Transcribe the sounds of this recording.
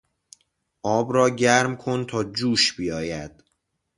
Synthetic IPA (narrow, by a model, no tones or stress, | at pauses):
ʔɒːbɾɒːɟæɾmkʰo̞nt̪ʰɒːd͡ʒuːʃb̥ijɒːjæd̪̥